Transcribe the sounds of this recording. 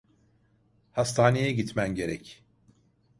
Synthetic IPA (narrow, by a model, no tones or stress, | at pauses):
hast̪ʰaːnejɛɟit̪mænɟe̞ɾɛc